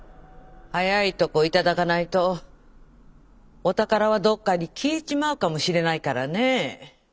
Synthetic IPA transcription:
hajait̪o̞koit̪ad̪akanait̪o̞ | t̪akaɾaβad̪o̞kːaɲ̟ikʲʰiːt͡ɕimaɯ̟kamo̞ɕiɾe̞naikaɾane̞

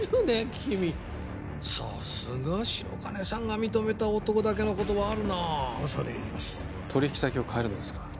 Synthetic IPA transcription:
ɾɯnekʲʰimʲi | sa̰sɨɡaɕio̰kane̞sãŋɡamʲit̪o̞me̞t̪aot̪o̞ko̞d̪ak̬e̞noko̞t̪o̞βaːɾɯ̟nasoɾeimasɨ̥ | t̪ʰo̞ɾʲiç̥kʲi̥sakʲio̞kʰae̞ɾɯ̟no̞d̪e̞sɨ̥kḁ

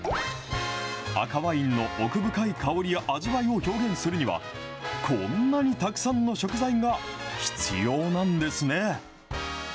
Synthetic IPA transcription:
a̰kaβaĩnːo̞ʔokɯ̟bɯ̟kaikaoɾʲijaʔaʑiβaio̞ço̞ːɡẽ̞ɰ̃sɨɾɯ̟ɲ̟iβa̰ | kʰõ̞nːaɲ̟it̪akɯ̟̥sãnːo̞ɕo̞kɯ̟zaĩŋɡaçi̥t͡sɨ̰jo̞ːnãnd̪e̞sɨne̞

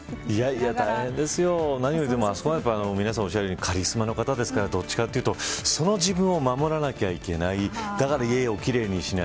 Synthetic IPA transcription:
iaiat̪aihẽ̞nd̪e̞sɨjo̞naɲ̟ioit̪̬ːe̞moaso̞koajap̬ːaano̞mʲinasão̞ɕ̬aɾeɲ̟ikʰaɾʲisɨmano̞kat̪ad̪e̞sɨ̥kaɾad̪o̞t͡ɕːi̥kat̪ːe̞iɯ̟t̪o̞so̞no̞d͡ʑibɯ̟̃ɰ̃o̞mamo̞ɾanakʲeβaike̞naid̪̥akaɾaie̞o̞kʲiɾe̞ːɲ̟iɕina

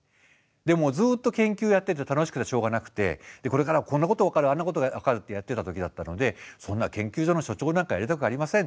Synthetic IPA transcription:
d̪e̞mo̞zɨːt̪ːo̞kẽ̞ŋkʲɨːjat̪ːe̞t̪et̪ano̞ɕi̥kɯ̟t̪eɕo̞ːɡanakɯ̟̥t̪e̞̰d̪̥e̞ko̞ɾe̞kaɾakonːako̞t̪o̞βakaɾɯ̟ãnːako̞t̪o̞ɡaβakaɾɯ̟t̪ːe̞jat̪ːe̞t̪at̪o̞kʲid̪at̪ːano̞d̪e̞sõ̞nːakẽ̞ŋkʲɨːʑonoɕo̞t͡ɕo̞ːnãŋkajaɾit̪akɯ̟aɾʲimasẽn

